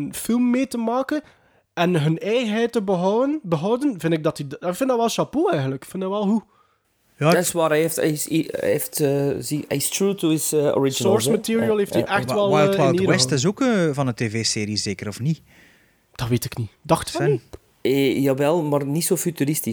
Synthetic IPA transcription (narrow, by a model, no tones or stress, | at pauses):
nfɪlˠmːeːtəmaːkən | ɛnɦənɛjɣənɦɛjtəbəɦɔwənbəɦɔwdənvɪndɪɡ̚dɑtidfɪndɑʋɛlˠʃɑpoːɛjɣənləkkfɪndɑʋɛlˠɦu | jaːswaːɾɛeftɛ̰sḭeftəziɛ̰ɪstɹuːtuɪzɔ̰ɹɪd͡ʒnɔɹsmatiːɹiəlˠheːftiʔɛxtʋɛlˠajlˠwalˠiwɛstɪs̬oːkəvɑnəteveːseːɾizeːkəɾɔfni | d̥ɑʋeːtɪknidɑxtfɛ | ejaːʋɛlˠmaːrnitsoːfytyɾɪsti